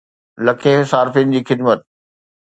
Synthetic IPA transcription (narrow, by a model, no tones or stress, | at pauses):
lɐkʰeɦsaːɾfɪnɪd͡ʑiːxɪd̪mət̪̚